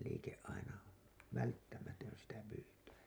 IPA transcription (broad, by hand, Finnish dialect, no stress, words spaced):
liːkeʔ ʔɑinɑ ʋæltːæmætøn sitæ pyːtæisæ